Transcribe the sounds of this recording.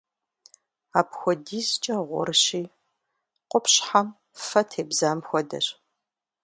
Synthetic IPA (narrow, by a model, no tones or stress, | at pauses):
aːpxʷɔdiːzt͡ʃʼɐʁʷʊ̰rɕiː | qʷʼʊpɕħam | fɐtʰeːbzaːmxʷɔdɐ̰ɕ